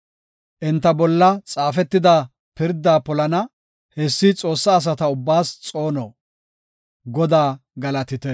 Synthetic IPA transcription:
ʔɛnt̪ːɐbɔlːɐt͡sʼaːfɛt̪ːɪd̪a | pɪɾd̪ːaːpɔlɐnɐ | hɛsːit͡sʼo̞ːsːaːs̬ɐt̪ɐʊbːaːst͡sʼo̞ːnɔ | ɡɔd̪aːɡɐlɐt̪ɪt̪ɛ

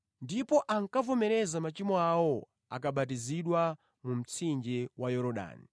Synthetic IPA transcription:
ndipɔʔaŋkavɔmɛɾɛzamat͡ʃimɔawɔ | a̰kaɓat̬iziɗwa | mum̩t͡sʰind͡ʒɛwʔajɔɾɔɗa̰ːnḭ

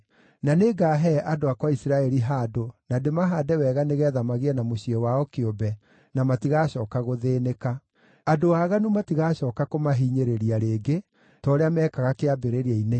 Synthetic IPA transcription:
naneɡaɦɛʔadoakwaisiɾaɛɾiɦaːdonademaɦaːdɛwɛɣaneɣɛːðamaɣiɛnamoɕiɛwaɔkeobɛ | namatiɣaɕɔːkaɣoðeːneka | adoaːɣanumatiɣaːɕɔːkakomaɦiːɲeɾeɾiaɾeːɡe | tɔɾeamɛkaɣakeabeɾeɾaine

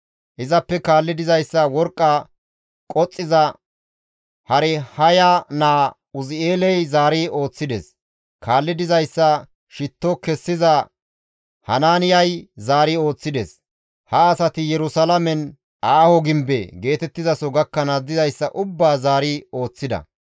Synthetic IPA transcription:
ʔɪzɐpːɛkaːlːɪd̪ɪzɐjsːɐwɔɾkʼːa | kʼɔt͡sʼːɪzɐ | hɐɾɛhɐjanaː | ʊzɪeːlɛjzaːɾɪo̞ːt͡sːɪd̪ɛ̰s | kʰaːlːɪd̪ɪzɐjsːɐ | ʃɪt̪ːɔkɛsːɪzɐ | hɐnaːnɪjɐjzaːɾɪo̞ːt͡sːɪd̪es | hɐːsɐt̪ɪjɛɾʊsɐlɐmɛn | aːhɔɡɪmbḛɡe̞ːt̪ɛt̪ːɪzɐsɔɡɐkːɐnɐd̪ɪzɐjsːɐʔʊbːaːzaːɾɪo̞ːt͡sːɪd̪ɐ̰

